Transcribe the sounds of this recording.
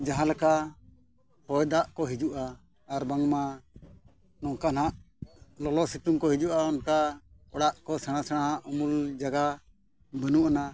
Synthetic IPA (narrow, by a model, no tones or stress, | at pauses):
d͡ʒaɦãlɛka | hɔjd̪aʔkɔɦid͡ʒuʔaː | ɾbaŋma | nɔŋkanaʔ | lɔlɔsit̪umkɔɦid͡ʒuʔaɔnka | ɔɽaʔkɔsɛɽ̃ãsɛɽ̃aɦaʔumuld͡ʒaɡa | bənuʔana